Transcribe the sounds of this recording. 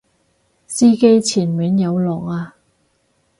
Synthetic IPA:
siː˥ke˧jt͡sʰiː˨˩nmyː˨˥njɐ˨˧wlɔː˨˩ŋaː˧

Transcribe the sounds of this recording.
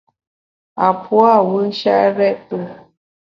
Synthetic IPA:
a˨pʰwa˦˨wu˦ʃa˦ɾɛ˦tu˦

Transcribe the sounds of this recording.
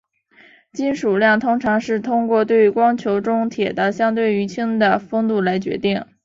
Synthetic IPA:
t͡ɕi˥nʂu˨˩ljɑ˥˩ŋt̪ʰʊ˥ŋʈ͡ʂʰɑ˧˥ŋʂɻ̩˥˩t̪ʰʊ˥ŋkwɔ˥˧t̪̬we˥˩ɪy˧˥kwɑ˥ŋt͡ɕʰjo˧˥ʊʈ͡ʂʊ˥ŋt̪ʰjɛ˨˩t̪ə˥ɕjɑ˥ŋt̪̬we˥˩ɪy˧˥t͡ɕʰi˥ŋd̪ə˨fɤ˥ŋt̪u˥˩la˧˥ɪt͡ɕɥɛ̰˧˥t̪i˥˩ŋ

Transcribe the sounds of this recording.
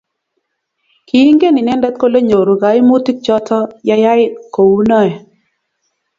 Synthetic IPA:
ki˨i˦ŋɡe˦ni˨nɛ˦nda˦t̪ko˦le˦ɲo˨ɾu˨ɡa˨ɪ˦mu˦ti˦k̚t͡ʃɔ˦tʰɔ˦ja˦ja˦ɪ˦ko˨wu˦nɔ˦˨ɛ˨

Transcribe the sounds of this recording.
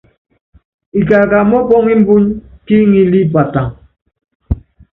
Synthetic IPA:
i˨ka˨ka˨mɔ˦pɔ˦ŋi˦m̩˦bu˦ɲki˦ŋi˦li˦pa˨ta˨ŋ

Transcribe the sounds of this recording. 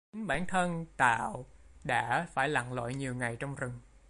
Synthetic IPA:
i˨˦ŋɓaː˧˩nt̪ʰə˧nt̪a̰ː˧˨wɗa̰ː˧˥faː˧˩jla̰˧˨ŋlɔ̰˧˨jɲi˨˩əwŋa˨˩jt͡ɕɔ˧wŋ͡mzɨ˨˩ŋ

